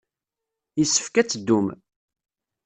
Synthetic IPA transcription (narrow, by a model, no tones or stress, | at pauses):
jəsːə̥fkæt͡sːəd̪ːum